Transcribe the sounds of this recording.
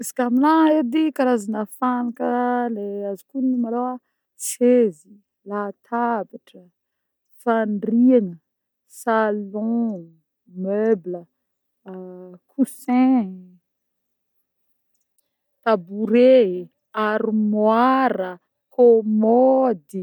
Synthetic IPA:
izi̥kamilaed̪ikaɾazanafanakəleazikunimalowa | t͡sezi | lat̪ʰabaʈ͡ʂə | faɳɖ͡ʐianə | salɔ̃ | møblə | kʰusɛ̃ | t̪abuɾe | aɾimwaɾə | kʰomɔd̪i

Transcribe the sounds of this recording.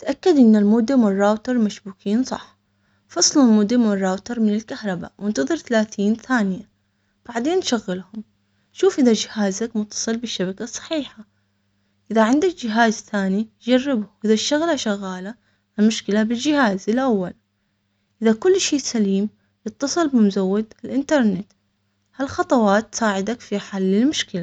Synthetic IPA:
t̪ʔakːad̪ʔɪnːalmʊd̪ːamwɪrˤːaːwt̪ɑɾˤmaʃbuːkʰiːnsˤɑ̰ħ | fɑsˤlalmʊd̪amwɪrˤːaːwt̪ɑɾˤmɪnɪlkahɾˤɑba̰ʔwɪnt̪ɑðˤɨɾθalaːθiːnθaːnɪja | b̥aʕd̪eːnʃaɣːɪlhʊm | ʃuːfʔɪðad͡ʒɪhaːzakmʊt̪ːɑ̥sˤɨlbɪʃːabakasˤɑ̥ħiːħa | ʔɪðaʕɪnd̪akd͡ʒɪɦaːzθaːnid͡ʒarːɪbwʔɪðaʃt̪aɣlaʃaɣːaːla | mʊʃkɪlabɪld͡ʒɪhaːzɪlʔawːal | ʔɪðakʊlːʃiːsaliːm | jɨt̪ːɑsˤɨlbɪmʊzawːɪd̪ɪlʔɪnt̪ɑɾˤnɪt̪ | halxɑt̪ˤɑwɑːt̪ːsaːʕɪd̪akfiħalːɪlmʊʃkɪla

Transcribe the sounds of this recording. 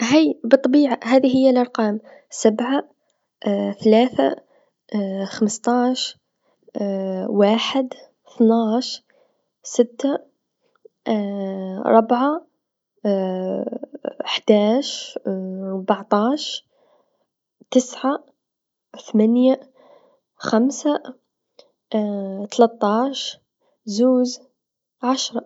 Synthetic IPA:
ɦajbɨt̪ˤːɑbiːʕaɦaːðiɦɪjːalʔɑɾˤqɑːm | sabʕa | θalaːθa̰ | xamst̪ˤɑːʃ | waːħɪd̪ | θnaːʃ | sɪt̪ːa | ɾˤɑbʕa | ħd̪̥aːʃ | ɾˤbɑʕt̪ˤɑːʃ | t̪ɪsʕa | θamanja | xamsa | t̪alat̪ˤːɑːʃ | zuːz | ʕaʃɾˤɑ

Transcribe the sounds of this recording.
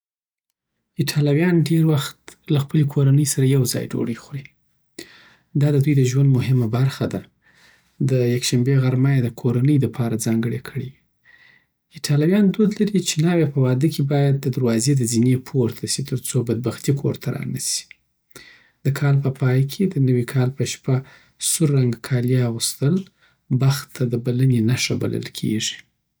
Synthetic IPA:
ɪʈʰɑlɑwjɑnɖeɾwaxt̪laxpəlekʰoɾanəjsaɾajawzɑ̰jd͡ʒo̰ɽexɾi | d̪ɑd̪əd̪ujd̪əʒwand̪mʊɦɪmabaɾxad̪a | d̪əjakʃambeɣaɾmajed̪əkʰoɾanəjləpʰɑɾad͡zɑŋɡəɽekʰəɽewi | ɪʈʰɑlawjɑnd̪od̪laɾit͡ʃenɑwepəwɑd̪əkʰebɑjad̪̚ːəd̪aɾwɑzed̪əzinepʰoɾt̪ʰasit̪əɾt͡sobad̪̚baxt̪ikʰo̰ɾt̪ʰaɾɑ̰nəsi̥ | d̪̥əkʰɑlpəpʰɑjkʰed̪ənəwikʰɑlpəʃpa | suɾːaŋɡkʰɑljaɣust̪əl | baxt̪ʰːad̪əbalənenaʂaba̰lə̰lkʰḛʐi̥

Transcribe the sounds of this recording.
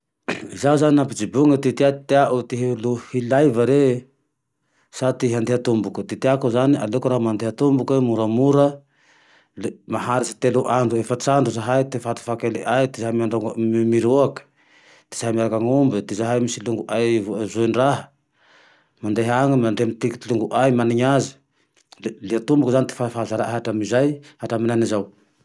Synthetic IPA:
izauzaninapid͡ʒibuŋət̪it̪iat̪eaʔut̪iɦeluhilajvəɾe | sat̪iɦand̪eɦət̪umbukut̪it̪iakuzaniʔa̰lekuɾaɦmand̪eɦət̪umbukemuɾəmuɾə | lmaɦaɾisi̥t̪eluʔaɳɖ͡ʐuefət͡saɳɖ͡ʐuzaɦajt̪efat̪u̥fakeleʔajt̪izaɦamiaɳɖ͡ʐoŋɡmimiɾuakə̥ | d̪̥i̥z̥aɦamiaɾakaŋumbid̪izaɦajmisiluŋɡuʔajvzoinraɦə̥ | mand̪eɦaŋəmand̪eamit̪iki̥t̪iluŋɡuʔajmaniɲazi̥ | leat̪umbukuzanit̪e̥fafazaɾaaɦaʈ͡ʂamizajhaʈ͡ʂaminanizaw

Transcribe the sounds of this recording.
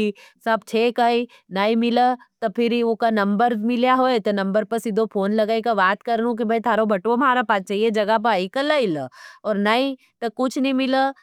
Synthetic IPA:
isɐb̚t͡ʃʰeːkaːi | naːimɪlət̪opʰɪɾiokanɐ̃mbəɾmɪljaɦoːet̪ɐnɐ̃mbəɾpɐsɪd̪ʱopʰoːnlɐɡaːikaʋaːt̪kɐɾnũk̬ibʱɐit̪ʰaːɾobʱɐʈʋomaːɾapaːt̪̚t͡ʃaːied͡ʒɐɡap̬ɐaikɐlailəɔːɾnaːĩ | t̪ɐkʊt͡ʃʰnɦĩmɪlə

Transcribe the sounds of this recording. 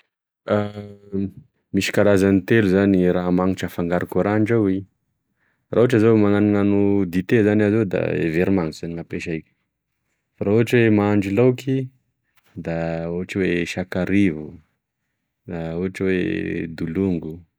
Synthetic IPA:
a | miʃi̥kaɾazanit̪eluzaniraɦamaŋiʈ͡ʂəfaŋɡaɾakuɾaɳɖ͡ʐawi | rauaʈ͡ʂazowmaŋaninanud̪it̪ezanazod̪a̰ḛveɾimaŋz̥aniŋapeʃaijkʲə̥ | faɾauaʈ͡ʂwemaɳɖ͡ʐilowkʰi | d̪auaʈ͡ʂiweʃakaɾivu | d̪auɦaʈ͡ʂiwḛd̪uluŋɡu

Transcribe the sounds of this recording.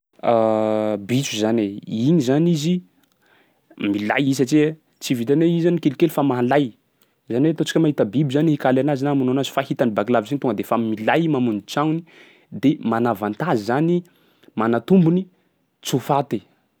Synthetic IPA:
abit͡suzaneiɲizanizi | mila̰jis̬at͡ʃie | t͡sivit̪aneizanikelikelufamaɦalaj | zaniwet̪ot͡si̥kʲəmaɦit̪əbibizanihikalanazinamunanazi̥fahit̪anibakilavizanit̪uŋɡəd̪efamilajmamunit͡ʃawni | d̪emanavant̪azizani | manat̪umbuni | t͡sufat̪e

